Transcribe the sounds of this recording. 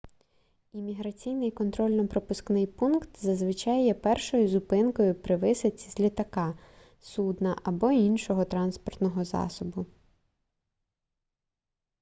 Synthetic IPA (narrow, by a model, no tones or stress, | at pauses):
imʲiɦɾɐt͡sʲijnɪjkɔnt̪ɾɔlʲnɔpɾɔpʊsknɪjpunkt̪zɐzʋɪt͡ʃɑjɛpɛrʃɔjʊzʊpɪnkɔjʊpɾɪʋɪsɪt͡sʲizʲlʲit̪ɐkɑ | sud̪nɐ̰ʔɐbɔinʃɔɦɔt̪ɾɑnspɔrt̪nɔɦɔzɑ̰sɔbʊ